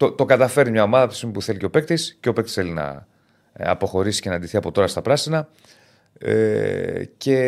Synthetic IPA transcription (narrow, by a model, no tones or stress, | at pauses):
t̪ot̪o̞kɐt̪ɐfe̞ɾnimɲɐo̞mɐðɐpisimupuθe̞liceo̞pe̞k̚t̪isceo̞pe̞k̚t̪isθelinɐ̰ | ɐ̰po̞xo̞ɾisi̥cenɐnd̪iθiɐpo̞t̪o̞ɾɐst̪ɐpɾɐsinɐ | ce̞